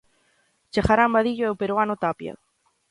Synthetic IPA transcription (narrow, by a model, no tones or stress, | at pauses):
t͡ʃaxaɾambaðiʎoewpeɾwanot̪apja̰